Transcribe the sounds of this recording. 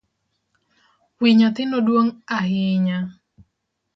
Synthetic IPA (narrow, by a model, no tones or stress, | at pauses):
wiɲat̪ɪnodwoŋaɦɪɲa